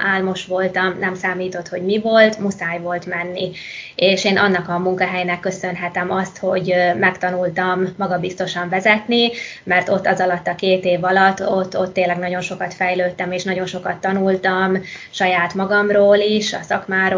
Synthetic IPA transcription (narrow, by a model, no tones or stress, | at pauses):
ʔaːlmo̞ʃʋo̞lt̪ɒmnɛmsaːmiːt̪o̞t̪ho̞ɟmivo̞lt̪musaːjvo̞lt̪mɛnːi | eːʃeːnʔɒnːɒkɒmuŋkɒɦɛjnɛkːø̞sø̞nɦɛt̪ɛmɒst̪ho̞ɟmɛkt̪ɒnult̪ɒmːɒɡɒbist̪o̞ʃɒɱvɛzɛt̪ni | mɛrt̪o̞t̪ːɒzɒlɒt̪ːɒkeːt̪eːvɒlɒt̪ːo̞t̪ːo̞t̪ːeːnlːɛɡnɒɟo̞nʃo̞kɒt̪fɛjløːt̪ːɛmeːʃnɒɟo̞nʃo̞kɒt̪ːɒnult̪ɒm | ʃɒjaːt̪mɒɡɒmroːliʃɒ̰sɒkmaːɾo